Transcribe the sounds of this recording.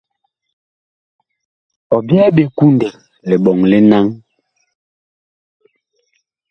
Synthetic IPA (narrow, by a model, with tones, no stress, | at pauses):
ɔ˨bjɛ˦ɓe˨ku˦ndɛ˨ | lɛ˨ɓɔ˨ŋli˦na˦ŋ